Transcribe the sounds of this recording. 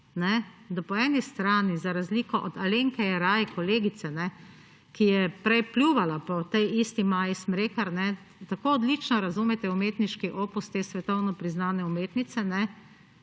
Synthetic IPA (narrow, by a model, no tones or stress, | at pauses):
nɛd̪apɔɛnist̪ɾaːnizaɾazliːkɔʔɔd̪aleːŋkɛjɛɾaːjikɔleːɡit̪sɛnɛ | kijɛpɾɛjplʲjuʋalapɔt̪ɛjist̪imaːjismɾeːkaɾnɛ | t̪akoːɔd̪lit͡ʃnɔɾazumɛt̪ɛumeːt̪niʃkiʔoːpust̪eːsʋɛt̪ɔwnɔpɾiznaːnɛumeːt̪nit̪sɛnɛ